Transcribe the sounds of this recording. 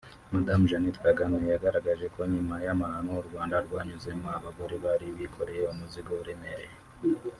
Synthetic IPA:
madamuʒanitkaɡanajaɡaɾaɡaʒe̞ko̞ɲimajamahanoɾɡwaːndaɾɡwaːɲuzemaβaɡoɾiβaɾiβikʰo̞ɾejeomuziɡouɾemeɾe

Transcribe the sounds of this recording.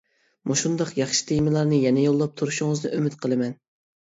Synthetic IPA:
muʃund̪ɑqjɑχʃɪ̥t̪ʰejmɪlˠɑɾnɨjɛnɛjolˠːɑp̚t̪ʰuɾuʃuŋɨznɨʔømɪt̪qʰəlˠɨmɛn

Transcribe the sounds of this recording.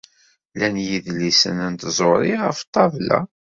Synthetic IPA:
lænjiðlisə̰nænt̪zˤoɾiʁəft̪ˤːɑvlæ̰

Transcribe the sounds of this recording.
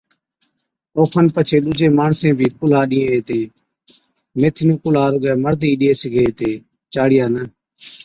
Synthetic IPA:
oːkʰənpət͡ʃʰeːɗʊd͡ʒeːmaːɳsẽːbʱiːkʊlaːɗɪ̃ːẽːeːt̪eː | meːt̪ʰɪnũːkʊlaːɾʊɡɛːməɾd̪iːɗɪeːsɪɡʱeːt̪eː | t͡ʃaːɽɪjaːnə

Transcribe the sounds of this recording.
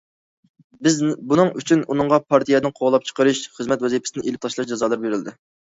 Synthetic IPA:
bɪzbunɨŋyt͡ʃʰynunɨŋʁɑpʰɑɾt̪ʰijɛd̪ɪŋqʰoʁlˠɑp̚t͡ʃʰə̥qəɾɨʃχəzmɛt̪wɛzipʰɪ̥sɪnɪʔelɪp̚t̪ʰɑʃlˠɑʃd͡ʒɑzɑlˠɨɾbeɾɪld̪ɪ

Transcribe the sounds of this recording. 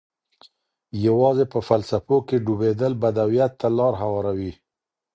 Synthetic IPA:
jawɑzepəfalsafokeɖubed̪əlbad̪awijat̪ːalɑɾɦawɑɾawi

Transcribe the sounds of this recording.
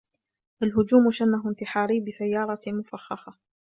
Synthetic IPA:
ʔalɦʊd͡ʒuːmʃanːaɦɪnt̪ɪħɑːɾiːbɪsajːɑːɾˤɑmʊfaxːɑxɑ

